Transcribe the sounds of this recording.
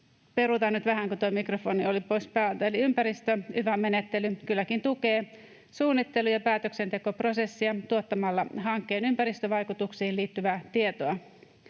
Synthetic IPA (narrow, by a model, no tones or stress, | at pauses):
pe̞ɾut̪ɑnyt̪ʋæɦæŋkut̪ojmikrofo̞niolipo̞jspæːlt̪æeliympæɾist̪øyʋæme̞net̪ːe̞lykylːækint̪uke̞ː | suːnːit̪ːe̞lujɑpæːt̪øksent̪e̞ko̞pro̞se̞sːiɑt̪uot̪ːɑmɑlːɑɦɑŋkːe̞ːnympæɾist̪øʋɑjkut̪uksiːliːt̪ːyʋæːt̪ie̞t̪oɑ